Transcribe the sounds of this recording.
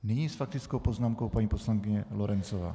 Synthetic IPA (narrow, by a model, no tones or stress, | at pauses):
nɪɲisfak̚t̪ɪt͡sko̞wpo̞znaːmkowpaɲiːpo̞slaŋkɪɲɛloɾɛnt͡sova̰ː